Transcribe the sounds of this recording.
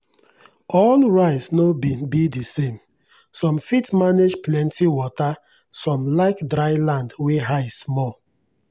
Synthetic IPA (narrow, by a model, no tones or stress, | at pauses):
ɔlɹaɪsnobibidisẽm | sɔ̃mfitmaned͡ʒplɛ̃ntʰiwɔta | sɔ̃mlaɪkdɾaɪlãndweɦaɪsmɔl